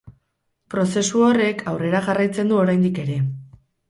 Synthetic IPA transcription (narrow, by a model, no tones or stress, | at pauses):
pɾo̞se̞suo̞re̞kʰawre̞ɾaɣarajt͡se̞nd̪uo̞ɾajnd̪ike̞ɾe̞